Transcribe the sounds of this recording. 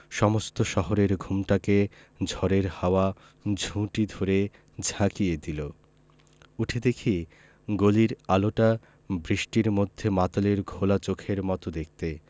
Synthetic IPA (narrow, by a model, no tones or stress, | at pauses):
ʃɔmost̪oʃɔɦoɾeɾɡʱumʈake | d͡ʑʱɔɾeɾhaoa | d͡ʑʱũʈid̪ʱoɾe | d͡ʑʱãkijed̪ilo | uʈʰed̪ekʰie | ɡoliɾaloʈa | bɾiʃʈiɾmod̪ʱːemat̪oleɾɡʱolat͡ɕokʰeɾmɔt̪od̪ek̚ʰt̪e